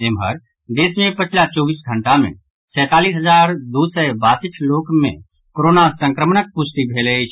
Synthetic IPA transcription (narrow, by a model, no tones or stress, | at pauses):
eːmɦə̰ɾ | d̪eːsmẽpət͡ʃʰlat͡ʃɔːbiːsɡʱəɳʈamḛ̃ | sɛ̃ːt̪aːliːsɦəd͡ʒaːɾd̪usɛbasɪt͡ʃʰloːkmḛ̃ | koɾoːnasə̃ŋkɾəmnək̚pʊst̪ibʱelet͡ʃʰ